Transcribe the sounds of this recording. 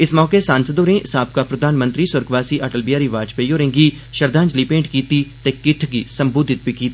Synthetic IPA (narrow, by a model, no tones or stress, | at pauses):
ɪsmɔːkesãːnsəd̪oːɾẽsaːb̚kapɾɐd̪ʱaːnmə̃nt̪ɾisʊɾɡʋaːsiʔaʈəlbijaːɾiʋaːd͡ʒpejoːɾẽːŋɡi | ʃɐɾd̪ãːnd͡ʒlipẽːɳʈkiːt̪it̪ekɪʈʰɡisɐmbuːd̪ʱɪt̪̚bikiːt̪i